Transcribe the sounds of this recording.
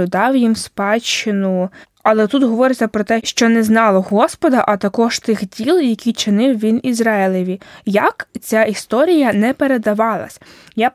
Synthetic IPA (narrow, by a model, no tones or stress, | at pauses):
ʊd̪ɑwjimspɑt͡ʃːɪnʊ | ɐlˠɛt̪ut̪ɦɔʋɔɾet͡sʲːɐpɾɔt̪ɛʃt͡ʃɔnɛznɑlˠɔɦɔspɔd̪ɐʔɐt̪ɐkɔʃt̪ɪxdʲilˠjɐkʲit͡ʃɪnɪwʋʲinizɾɑɪlˠɪʋʲijɐkt͡sʲaist̪ɔɾʲijɐnɛpeɾe̞d̪ɐʋɑlˠɐ̰sʲja